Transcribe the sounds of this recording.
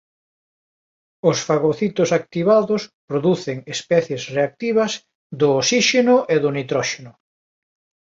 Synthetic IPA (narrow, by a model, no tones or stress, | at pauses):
ʊsfaɣoθit̪ʊsak̚t̪iβaðʊspɾoðuθeŋespɛθjesreak̚t̪iβɐz | d̪ʊːsiʃenʊʔeðʊnit̪ɾɔʃenʊ